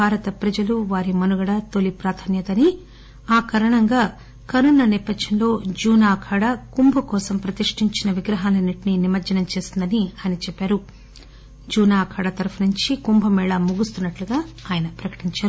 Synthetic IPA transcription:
bʱaːɾɐt̪ɐpɾɐd͡ʒɐluʋaːɾimɐnuɡɐɽɐt̪olipɾaːt̪ʰanjɐt̪ɐni | aːkɐɾɐɳɐŋɡaː | kɐɾunːɐnipɐd̪jɐnlo̞ːd͡ʒuːnaːkʰaːɽɐkumbʱɐkɔːsɐmpɾɐt̪iʂʈiɲt͡ʃinɐʋiɡɾɐɦaːlɐniʈininimɐɾd͡ʒɐnɐmt͡ʃe̞ːsind̪ɐniɐjnɐt͡ʃɛpːaːɾu | d͡ʒuːnaːkʰaːɽɐt̪ɐɾɐpʰɐnuɲt͡ʃikumbʱɐmɛːɭɐmuɡust̪unːɐʈluɡaːaːjɐnɐpɾɐkɐ̥ʈiɲt͡ʃaːɾu

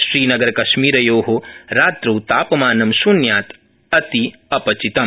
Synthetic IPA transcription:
ʃɾiːnɐɡɐɾɐkɐʃmiːɾɐjoːɦoɾaːt̪ɾuːt̪aːpɐmaːnɐmsunjaːt̪ | ɐt̪iɐpɐt͡ʃit̪ɐm

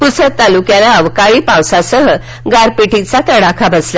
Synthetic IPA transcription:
pusət̪alukjalaəʋkaɭiːpãwsasəɦə | ɡaɾpeʈit͡sat̪əɽakʰabʱəsla

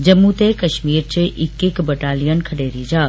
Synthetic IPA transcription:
d͡ʑɐmːut̪ekɐʃmiːɾt͡ɕɪʔɪkɪkbɐʈaːlijənkʰɐɽeːɾid͡ʑaː

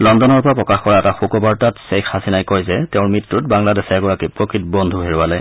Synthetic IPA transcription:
lɔndɔnɔɹpɔɹapɹɔkaxkɔɹaɛtaxukɔbaɹtatsexasinajkɔjzɛtɛʊ̃ɹmɹitːutbaŋladɛsɛaɡɔɹakipɹɔkɹit̚bɔndʱuɦeɹualaj

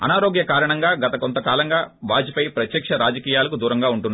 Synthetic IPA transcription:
ɐ̰naːɾoːɡjɐkaːɾɐɳɐŋɡaːɡɐt̪ɐkont̪ɐkaːlɐŋɡaːʋaːd͡ʒipɐjpɾɐt̪jɐkʂɐɾaːd͡ʒɐkiːjaːlɐkud̪uːɾɐŋɡaːuɳʈunː

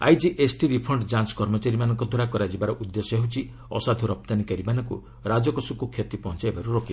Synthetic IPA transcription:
a̰jd͡ʒiʔesʈiɾipʰɔɳɖd͡ʒanskɔɾmɔt͡ʃaɾimanɔŋkɔd̪ʱɔɾakɔɾad͡ʒibaɾɔʔud̪ːesɔeɦut͡ʃʰi | ɔ̰sad̪ʱuɾɔp̚t̪anikaɾibanɔŋkṵ | ɾad͡ʒɔkɔsukukʰjet̪ipɔɦɔ̃t͡ʃajbaɾuɾoki

